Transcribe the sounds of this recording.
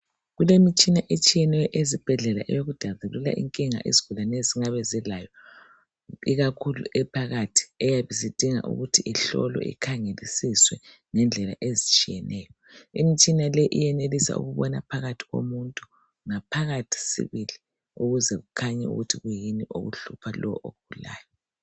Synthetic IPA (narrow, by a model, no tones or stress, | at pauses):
ɣulemit͡ʃʼinaʔet͡ʃʼijɛnɛjɔʔezib̥ʱɛɮɛla̰ʔɛjoɣud̥ʱazulula̰ʔḭŋkʼiŋa̰ʔḭzi̥ɣ̥ʱulaneziŋaβɛzilajɔ | iɣakʰulṵʔɛpʰaɣatʰi̥ɛjaβizid̥ʱiŋa̰ʔṵɣutʰiʔiɬɔ̰lɔ̰ʔḭkʰaŋelisiswɛ | ŋɛnd͡ɮʱɛla̰ʔezit͡ʃʼijɛnʔɛːjɔ | imit͡ʃʼinalɛʔijɛnelisa̰ʔṵɣuβɔna̰pʰaɣatʰi̥ɣo̰muntʼu | ŋapʰaɣatʰi̥sḭβili | uɣuzɛɣukʰaɲɛṵɣutʰiɣujiniʔo̰ɣṵɬupʰalɔwʔo̰ɣub̥ʱula̰ːjɔ